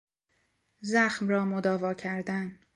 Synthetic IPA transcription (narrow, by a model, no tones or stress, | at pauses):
zæxmrɒːmod̪ɒːvɒːcʰæɾd̪æn